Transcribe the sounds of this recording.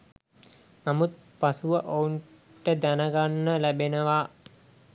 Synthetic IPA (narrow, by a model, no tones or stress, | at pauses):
namut̪̚pasuʋəʔouɳ | ʈəd̪ænəɡanːəlæbenəʋa